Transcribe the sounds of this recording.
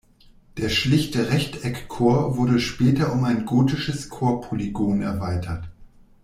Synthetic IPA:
d̥eːɐʃlɪçtəʁɛçtɛkʰːoːɐvʊɐdəʃpɛːtɐʊmaɪnɡoːtɪʃəskʰoːɐpʰoliɡoːnɛ̰ɐvaɪtʰɐt

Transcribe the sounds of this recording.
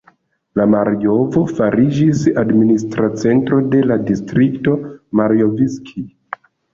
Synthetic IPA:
lamaɾjo̞vo̞faɾid͡ʒisadministɾat͡se̞ntɾo̞de̞ladistɾikto̞maɾijoviskʰi

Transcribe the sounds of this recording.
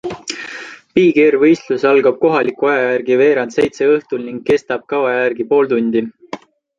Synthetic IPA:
piːɡeɾvɤjst̪lusɑlɡ̥ɑb̥̚ko̞ɦɑlikːuɑjɑjærɡ̥ive̞ːɾɑnd̪se̞jt̪se̞ɤht̪ulniŋɡ̥̚kːe̞st̪ɑb̥̚kɑwɑjærɡipo̞ːlt̪unʲd̪̥i

